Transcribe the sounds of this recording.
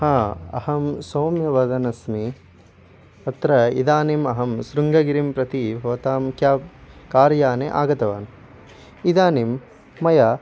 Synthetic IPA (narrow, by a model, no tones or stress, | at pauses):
hãːɐ̰hɐmsoːmjɐʋɐd̪ɐnɐsmi | ɐt̪ɾɐḭd̪aːnimɐɦɐmsɾuŋɡɐɡiɾimpɾɐt̪ibʱɐʋɐt̪aːmkjaːkaːɾjaːneʔa̰ːɡɐt̪ɐʋa̰ːn | id̪aːnimː | ɐja